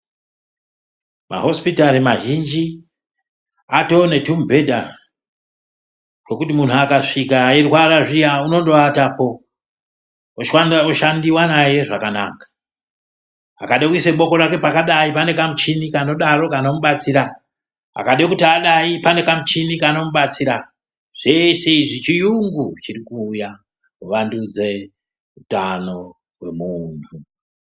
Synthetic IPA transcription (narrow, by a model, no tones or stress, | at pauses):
ma̰ɦo̞spitaɾimaʒind͡ʒi | ato̞ne̞tumbʱe̞da̰ | rwo̞kutimun̤uakaʂikaerwaɾaʐijauno̞ndoatapo̞ | oʃanoʃandiwanaje̞ʐakana̰ːkḁ | a̰kaɗekuiseɓo̞ko̞ɾake̞pakaɗaipane̞kamut͡ʃinikano̞ɗaɾo̞kano̞muɓat͡siɾa | a̰kaɗekutiaɗaipane̞kamut͡ʃinikano̞muɓat͡siɾa | ʐ̥e̞seiʐit͡ʃijuŋɡut͡ʃirikuːja | uʋandud͡ze̞ | utano̞ | we̞̰mun̤u